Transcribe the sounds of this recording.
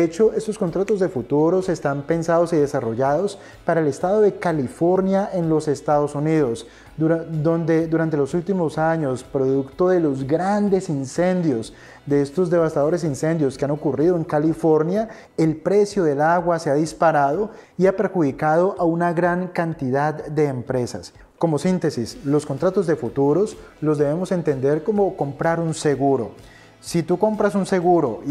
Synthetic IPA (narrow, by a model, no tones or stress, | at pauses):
et͡ʃo̞ʔe̞st̪o̞sko̞nt̪ɾat̪o̞zd̪e̞fut̪uɾo̞se̞st̪ampe̞nsaðo̞siðe̞saro̞ʝaðo̞s | paɾaele̞st̪aðo̞ðe̞kalifo̞ɾnjae̞nlo̞se̞st̪aðo̞suniðo̞s | ud̪ond̪e̞d̪uɾant̪e̞losult̪imo̞saɲo̞spɾo̞ðukt̪o̞ðe̞lo̞zɡɾand̪e̞sinse̞nd̪jo̞s | d̪e̞est̪o̞zd̪eβ̞ast̪aðo̞ɾe̞s̬inse̞nd̪jo̞skeano̞kuriðoe̞ŋkalifo̞ɾnja | e̞lpɾe̞sjo̞ðe̞laɣwaseaðispaɾaðo̞ | iape̞ɾxuðikaðo̞ʔaunaɣɾaŋkant̪iðad̪d̪e̞ːmpɾe̞sa̰s | ko̞mo̞sint̪e̞sislo̞sko̞nt̪ɾat̪o̞zd̪e̞fut̪uɾo̞slo̞zd̪e̞βe̞mo̞se̞nt̪e̞nd̪e̞ɾko̞mo̞ko̞mpɾaɾunse̞ɣuɾo | sit̪uko̞mpɾasunse̞ɣuɾo̞̰